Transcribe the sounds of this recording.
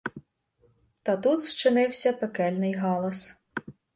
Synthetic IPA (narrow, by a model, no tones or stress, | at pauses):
t̪ɐt̪ut̪st͡ʃɪnɪwsʲɐpekɛlʲnɪjɦɑlˠɐs